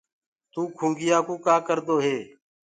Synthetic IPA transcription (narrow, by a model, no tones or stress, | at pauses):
t̪uːkʰũːŋɡɪjaːkũːkaːkəɾd̪oːɦeː